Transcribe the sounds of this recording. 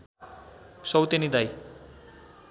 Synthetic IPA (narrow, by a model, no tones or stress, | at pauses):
sʌwt̪enid̪aj